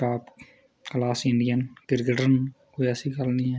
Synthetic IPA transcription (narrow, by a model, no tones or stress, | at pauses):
aːp | kəlaːsɪɳɖijənɡɪɾɡəɖənkoːiəsiːkəlnĩːɛː